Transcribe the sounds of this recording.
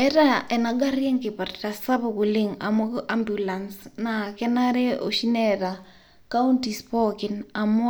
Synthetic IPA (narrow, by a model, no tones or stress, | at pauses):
ɛtaɛnaɡarjɛŋkɪpartasapokuliŋa̰muambjulansnakɛnaɾɛo̰ʃinɛta | kauntispɔkinamu